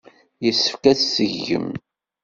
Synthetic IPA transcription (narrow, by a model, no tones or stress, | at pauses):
jəsːə̥fkæθsəʝːə̰m